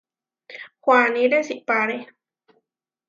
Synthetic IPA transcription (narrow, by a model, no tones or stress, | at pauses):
xwaniɾesiʔpaɾe